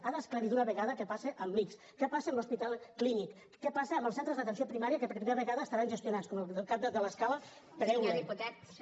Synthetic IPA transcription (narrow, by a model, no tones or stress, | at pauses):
aðəskləɾit̪unəβəɣaðəkɛpaseʔəmliks | kɛpasemluspit̪alˠklinikː | ɛpaseːmbəlˠsɛnt̪ɾəzðət̪ənsjopɾimaɾiəkəpɾpɾimeɾəβəɣaðəːsaɾanʒəst̪junat͡sskɔməəlˠkap̚d̪əd̪ələskalə | p̪ɾɛwleiput̪ɛk